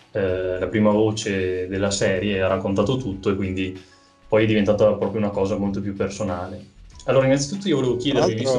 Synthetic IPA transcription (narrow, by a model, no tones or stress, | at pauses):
lapɾiːmavoːt͡ʃed̪elːasɛːɾjearakːont̪aːt̪ot̪ut̪ːoekːwind̪i | pɔjɛd̪ivent̪aːt̪apɾɔːpɾjounakɔːzamolt̪opjupːersonaːlealːoːɾainːant̪sit̪ut̪ːoiovoleːvokjɛd̪eɾeɛvist̪